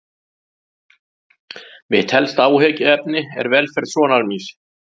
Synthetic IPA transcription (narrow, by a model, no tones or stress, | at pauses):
mɪðt̪ʰɛlst̪aːwɦɛːcɪɛpnɪɛ̰ɾvɛlfɛɾðsɔːnalmiːs